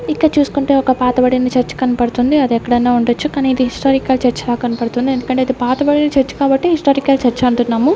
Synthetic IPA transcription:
ikːɐɽɐt͡ʃuːsu̥kuɳʈe̞ːɔkɐpaːt̪ɐbɐɽinɐt͡ʃɐɾt͡ʃːu̥kɐnipɐɽut̪und̪iɐd̪ɛkːɐɽɐjnːaːuɳɖot͡ʃːukaːniːd̪iɦisʈaːɾikaːlt͡ʃɐɾt͡ʃːɐlaːkɐnipɐɽut̪und̪iend̪ukɐɳʈeːɐd̪ipaːt̪ɐbɐɽinɐt͡ʃɐɾt͡ʃːu̥kaːbɐʈːiɦisʈaːɾikaːlt͡ʃɐɾt͡ʃːɐɐɳʈunːaːmu

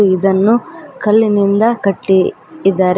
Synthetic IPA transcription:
id̪ɐnːukɐlːinind̪ɐkɐʈːi | d̪ːaːɾ

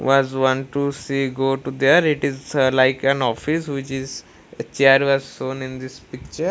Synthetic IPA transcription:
ʋɔzʋɔ̃ɳʈʈːusiɡoʈud̪əɾɪʈizlaɪkæ̃nɔfisʋɪt͡ʃiz | t͡ʃeɾʋɔzsõːnĩnd̪ɪspikt͡ʃəɾ

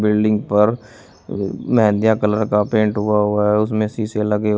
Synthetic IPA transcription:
bɪlɖɪ̃ŋɡpəɾ | mɦɛ̃nd̪jakələɾkapẽːɳʈɦʊaɦʊaɦɛʊsmẽsiːseləɡe

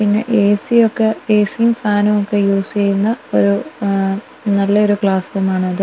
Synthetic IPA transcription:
pinːɐ̰ʔeːsiokːeeːsijumfaːnumokːejuːst͡ɕejɾunːɐo̞ɾu | nɐlːɐoɾukɭaːshoːmaːɳɨɐðɨ

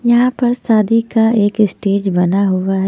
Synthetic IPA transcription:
jɐɦãpɐɾsaːd̪ikaeːkɪsʈeːd͡ʒbɐnaɦʊʋaɦɛ

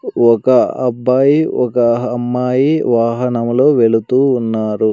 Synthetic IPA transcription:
ɔkɐɐ̰bːaːjiɔkɐɐmːaːjiʋaːɦɐnɐmlo̞ːʋe̞ɭut̪uːnːaːɾu

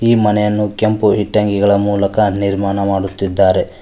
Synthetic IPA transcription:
iːmɐnɛjɐnːukempuɦiʈːɐŋɡiɡɐɭɐmuːlɐkɐniɾmaːnɐmaːɽut̪ːid̪ːaːɾe̞

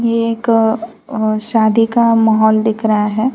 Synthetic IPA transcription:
jeːk | ʃaːd̪ikamaːɦɔːld̪ɪkʰɾɐɦaɦɛː

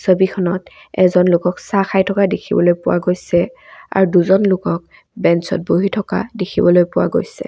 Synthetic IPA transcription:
sobikʰɔnɔt | ɛ̰zɔnlʊkɔksaxajtʰɔkadekʰibɔlojpʊwa̰ɡojsɛ | a̰ɹduzɔnlʊkɔk̚ | bɛnsɔ̰t̚boɦitʰɔka̰dekʰibɔlojpʊwa̰ɡo̰jsɛ̰

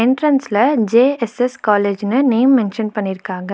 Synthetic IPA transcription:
eɳʈɾɐnslɐd͡ʒeːeseskaːleːd͡ʒnɨneːmːenʃɐnpɐɳːiɾkaːɡɐ

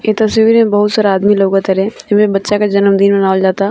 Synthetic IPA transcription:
et̪ɐsʋiːɾmẽbɐɦʊt̪saːɾaaːd̪miloːɡat̪ɐɾɛɪmẽbɐtːʃakad͡ʒɐnəmd̪iːnbɐnaːʋld͡ʒaːt̪a

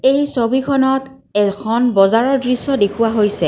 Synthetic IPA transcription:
ejsobikʰɔnɔt | ɛkʰɔnbɔzaɹɔɹdɹisːɔdekʰʊwaɦojsɛ

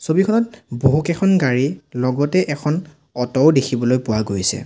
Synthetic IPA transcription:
sobikʰɔnɔt̚boɦukɛkʰɔnɡaɹilɔɡɔtɛʔɛkʰɔn | ɔtɔwdekʰibɔlojpʊwaɡojsɛ̰

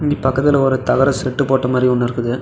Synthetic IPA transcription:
ɪŋɡipɐkːɐt̪ːɪlɔɾɯt̪ɐɣɐɾɐsɛʈːɯpoːʈːɐmaːd̪riɔnːɪɾɯkːɯðɯ

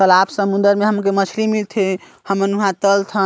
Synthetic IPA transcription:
əlabsəmund̪əɾmeɦəmkemət͡ʃʰlimilt̪ʰe | həməɾnuɦãt̪əlt̪ʰə

